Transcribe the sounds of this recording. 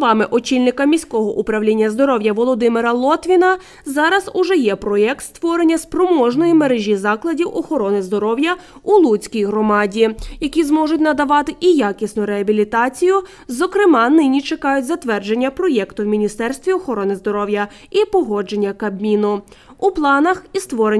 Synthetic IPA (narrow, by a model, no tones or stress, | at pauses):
ʋɑmɪʔɔt͡ʃilʲnɪkɐmʲisʲkɔɦɔʔupɾɐwlʲinʲːɐzd̪ɔɾɔwjɐʋɔlˠɔd̪ɪmɪɾɐlˠɔt̪ʋʲinɐ | zɑɾɐzʊʒɛjɛpɾɔjɛk̚t̪st̪ʋɔɾenʲːɐspɾɔmɔʒnɔjimeɾeʒʲizɑklˠɐdʲiwʔɔxɔɾɔnɪzd̪ɔɾɔwjɐulˠut͡sʲkʲijɦɾɔmɑdʲijɐkʲizmɔʐʊtʲnɐd̪ɐʋɑt̪ɪʔijɑkʲisʲnʊɾeɐbʲilʲit̪ɑt͡sʲijʊ | zɔkɾɪmɑnɪnʲit͡ʃekɑjʊtʲzɐt̪ʋɛrd͡ʒe̞nʲːɐpɾɔjɛkt̪ʊwmʲinʲist̪ɛrst̪ʋʲiɔxɔɾɔnɪzd̪ɔɾɔwjɐ | ipɔɦɔd͡ʒe̞nʲːɐkɐbmʲinʊ | uplˠɑnɐxist̪ʋɔɾe